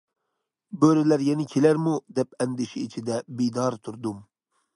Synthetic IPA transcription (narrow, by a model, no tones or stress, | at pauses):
bøɾɪlæɾjɛnɪkʲʰelæɾmud̪ɛpɛnd̪ɪʃɛit͡ʃʰid̪ɛbid̪ɑɾt̪ʰuɾd̪um